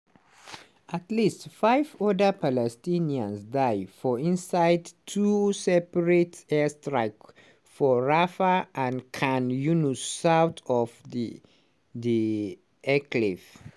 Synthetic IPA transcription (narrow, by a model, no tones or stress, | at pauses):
ʔatlistfaɪvɔdə˞pʰalɛstĩniə̃nsdaɪfɔĩnsaɪdtʰusɛpəɹetɛstɹaɪk | fɔɹafəãnkʰãnjunusaʊt̪ʰɔvði | ði | ɛklif